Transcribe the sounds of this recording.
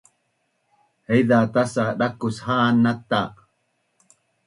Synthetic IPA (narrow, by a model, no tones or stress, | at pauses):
hejðat̪asaɗakʊshaːnat̪a